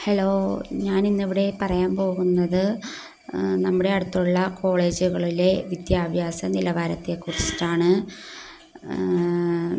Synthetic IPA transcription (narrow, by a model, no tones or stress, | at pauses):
helo̞ːɲaːninːiʋiɽe̞pɐrɐjaːmpo̞ːɣunːɐðɨ | nɐmːuɽe̞ɐɽut̪ːuɭːɐko̞ːɭe̞ːd͡ʑuɣɐɭile̞ʋid̪jaːbʱjaːsɐnilɐʋaːɾɐt̪ːe̞kurit͡ɕi̥tːaːɳɨ